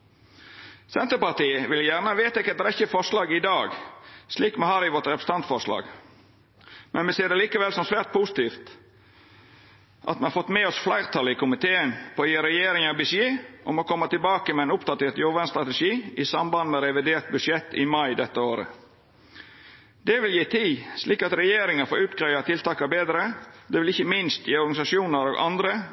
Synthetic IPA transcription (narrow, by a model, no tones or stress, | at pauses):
sɛnt̪əpɑt̪iːəʋɪljæɾnəʋeːt̪əkɛt̪ɾɛçːəfɔɾʂlɑːɡɪd̪ɑːɡsliːkmɛhɑːɾɪʋɔt̪ɾɛpɾə̥st̪ɑnt̪fɔɾʂlɑ̰ːɡ | mɛnmɛseːɾd̪ɛliːkəʋɛlsɔmsʋæːɾt̪̚pʰuːsɪ̥t̪iːft̪ | ʔɑ̰t̪mɛnhɑɾfɔt̪ːmeːɔsflæɪɾʁt̪ʰɑlɪkʊmɪt̪ʰeːənpʰoːjiːɾɛjeːɾɪŋɑbʏsjeːʔɔmokʰɔmːɑt̪ɪlbɑːkəmɛɪnʊpd̪ɑt̪eːt̪joɾʋænst̪ɾɑt̪əʂiːɪsɑmbɑnnəɾɛʋɪd̪eːɾt̪̚bʉʂɛt̪ːɪmɑɪd̪ɛt̪ːəoːɾə̰ | d̪ɛʋɪljiːt̪ʰiːsliːkɑt̪ɾɛjeːɾɪŋəɾfoːɾʉːt̪ɡɾɑʏɑt̪ʰɪlt̪ʰɑːkɑbeːd̪ɾəd̪ɛʋɪlɪçːəmɪnst̪jiːɔɾɡɑnɪsɑʃuːnəɾoːɡʔɑ̰nd̪ɾə